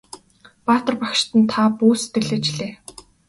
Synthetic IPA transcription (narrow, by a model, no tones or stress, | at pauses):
paːt̪ə̆rpakʃt̪ə̆nt̪ʰapuːse̥t̪ɡɘ̆ɮĕːt͡ɕɮeː